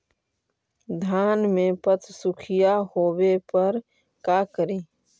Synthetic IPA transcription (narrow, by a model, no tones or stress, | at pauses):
d̪ʱaːnmẽpət̪ʰsʊkʰɪjahoːwepəɾ | kaːkəɾiː